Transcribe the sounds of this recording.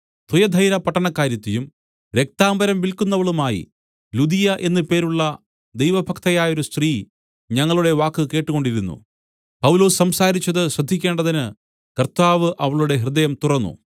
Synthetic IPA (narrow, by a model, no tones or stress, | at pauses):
t̪ujɐd̪ʱɐjɾɐpɐʈːɐɳɐkːaːɾjɐt̪ːijum | ɾe̞k̚t̪aːmbɐɾɐmʋilkunːɐʋɐɭumaːjḭ | lud̪ijɐʔe̞nːɨpe̞ːɾuɭːɐ | d̪ejʋɐbʱɐkt̪ɐjaːjo̞ɾust̪riː | ɲɐŋːɐɭuɽe̞ʋaːkːɨke̞ːʈːuɣo̞ɳɖiɾunːṵ | pɐwlo̞ːssɐmsaːɾit͡ɕːɐðɨɕrɐd̪ʱːikʲːe̞ːɳɖɐðinɨ | kɐrt̪aːʋɨʔɐʋɐɭuɽe̞ɦrɨd̪ɐjɐmt̪urɐnːṵ